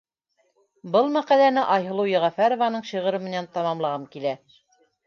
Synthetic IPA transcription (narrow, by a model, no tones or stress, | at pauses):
bɤlˠmæqælænɘʔɑjɦɤ̆lˠɤwjɤ̆ʁɑfæɾŏvɑnɤɴɕiʁɤ̆ɾɤmɘ̆nænt̪ɑmɑmlˠɑʁɑmkilæ